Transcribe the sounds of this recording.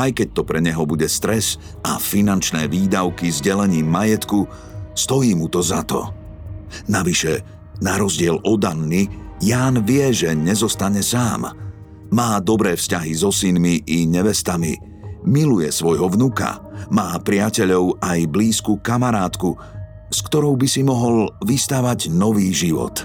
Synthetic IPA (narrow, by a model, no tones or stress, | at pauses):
ajkɛc̚t̪ɔpɾɛɲɛɦɔbuɟɛst̪ɾɛs | a̰finant͡ʃnɛːʋiːd̪aʊkizɟɛlɛɲiːmːajɛt̪ku | st̪ɔjiːmut̪ɔzat̪ɔ̰ | naʋiʃɛ | naɾɔzɟɪɛlɔd̪anːijaːnʋɪɛʒɛɲɛzɔst̪aɲɛsaːmː | aːd̪ɔbɾɛːfscaɦizɔsinmiʔːɲɛʋɛst̪amḭ | milujɛ̰sʋɔjɦɔvnuka̰maːpɾɪacɛʎɔʊajbliːskukamaɾaːt̪ku | skt̪ɔɾɔʊbisimɔɦɔlʋist̪aːʋaɟnɔʋiːʒiʋɔ̰t̪